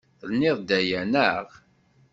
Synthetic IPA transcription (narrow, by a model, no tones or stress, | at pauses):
θəlnːɪðˤd̪æjænəʁ